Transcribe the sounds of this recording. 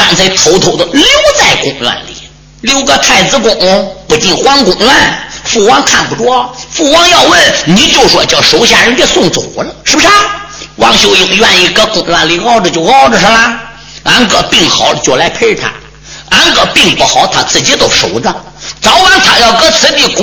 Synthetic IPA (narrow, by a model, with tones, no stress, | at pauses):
fa˨˩nt͡sʰe˥˩ɪt̪ʰo˧˥ʊt̪ʰo˧˥ʊd̪ə˧ljo˥˧ʊt͡sa˥˩ɪkʊ̰˨˩ŋlwa̰˥˧nlḭ˨˩˦ | ljo˥˧ʊɡə˧t̪ʰa˥˩ɪt͡sɹ̩˧˥kʊ˨˩ŋn˧˥pu˧˥t͡ɕi˥˩nxwa˥nkʊ˨˩ŋlwa˥˩nfu˥˩wɑ˥ŋkʰa˥˩npu˧˩ʈ͡ʂwɔ˥fu˥˩wɑ˥ŋjɑ˥˧ʊwə˥˩nni˨˩t͡ɕjo˥˧ʊʂwɔ˥˧t͡ɕjɑ˥˩ʊʂo˧˥ʊɕja˥˩ɻə˧˥npɛ˥˧sʊ˥˩ŋt͡so˨˩lə˧ʂɻ̩˥bʂɻwɑ˥˧ŋɕjo˧ʊjʊ˧˩ŋjɥwa˥˧ni˧˩kɤ˥kʊ˨˩ŋlwa˥˧nli˧˥kɑ˥˧ʊʈ͡ʂə˧t͡ɕjo˥˧ʊkɑ˥˩ʊʈ͡ʂə˧ʂə˧˥la˧ | a˧˥nkɤ˧˩pi˥˩ŋxɑ˨˩ʊlə˧t͡ɕjo˥˩ʊla˧˥ɪpʰe˥t̪ʰa̰˧˥ | a˧˥nkɤ˨˧˩pi˥˧ŋpu˧˩xɑ˨˧˥ʊt̪ʰa˥˩t͡sɹ̩˥˩t͡ɕjɛ˥t̪o˥˧ʊʂo˧˥ʊd͡zə˧ | t͡sɑ˧˥ʊwa˧˥nt̪ʰa˨˩jɑ˥˩ʊkɤ˥t͡sʰɹ̩˧˥p̪i˧˥˩kʊ˨